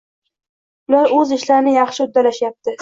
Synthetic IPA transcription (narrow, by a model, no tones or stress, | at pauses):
ʊlaɾɵzɪʃlaɾnɪjɑχʃɪʊd̪ːalaʃjap̚t̪ʰɪ